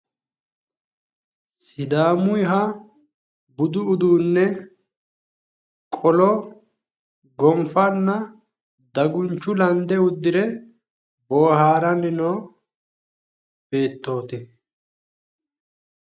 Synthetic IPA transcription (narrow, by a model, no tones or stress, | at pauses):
sɪd̪aːmʊjɦɐ | bʊd̪ʊːd̪uːnːɛ | kʼɔlɔ | ɡɔmfɐnːɐ | d̪ɐɡʊnt͡ʃːʊlɐnd̪ɛʊd̪ːɪɾɛ | boːhaːɾɐnːɪnoː | b̥e̞ːt̪ːo̞ːt̪ɛ